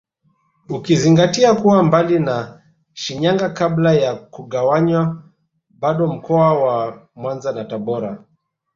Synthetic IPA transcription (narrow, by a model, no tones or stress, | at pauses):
ukiziŋɡatiakuwambalina | ʃiɲaŋɡakablajakuɠawaɲwa | ɓaɗɔm̩kɔawamwanzanataɓɔɾa